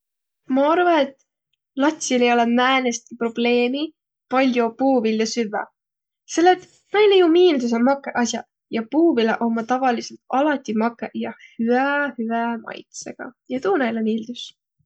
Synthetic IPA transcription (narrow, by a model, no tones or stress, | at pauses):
mɑɑɾvɑet̪ːˑ | lɑt̪ʲsilejo̞lemæːnest̪̚kipro̞b̥le̞ːmi | pɑlʲjopuːvilːesyvæ̰ | selːet̪ | nɑjlejumiːld̪us̬elmɑkːˑeʔɑsʲjɑ | jɑpuːvilḛʔo̞mːɑt̪ɑvɑliselt̪ɑlɑt̪ʲːimɑkːˑejɑhyæhyæmɑ̰jt̪se̞̰ɡ̥ɑ̰jɑt̪uːnɑjlemiːld̪̥us